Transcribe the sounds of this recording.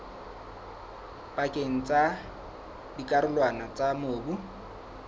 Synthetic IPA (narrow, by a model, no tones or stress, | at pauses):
pʼakʼeŋ̩t͡sʼa | dikʼaɾʊlwanat͡sʼamoːbu